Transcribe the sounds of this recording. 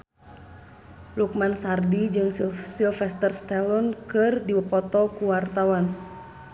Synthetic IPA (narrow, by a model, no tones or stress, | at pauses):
luk̚mansardid͡ʒɨŋssilfɛst̪ərst̪ɛlɔnkɨrdiwəpɔt̪ɔkuwart̪awan